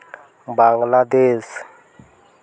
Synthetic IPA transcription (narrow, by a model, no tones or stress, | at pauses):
baɡlad̪eːs